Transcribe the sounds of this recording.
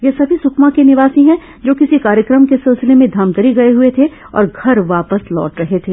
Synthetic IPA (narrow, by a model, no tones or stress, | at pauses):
jesɐbʱisʊkʰmãkenɪʋaːsĩɦɛ̃ | d͡ʒoːkɪsikaːɾjəkɾəmkesɪlsɪlemẽd̪ʱɐmt̪əɾiɡɐeɦuet̪ʰe | ɔ̰ːɾɡʱɐɾʋaːpəslɔ̰ːʈɾɐɦet̪ʰeː